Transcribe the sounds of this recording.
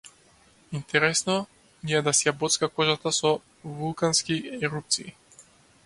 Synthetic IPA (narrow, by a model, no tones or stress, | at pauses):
int̪ɛɾɛsnɔ | niɛd̪asiabɔt̪skakɔʒat̪asɔ | vulˠkanskiɛɾup̚t̪sḭː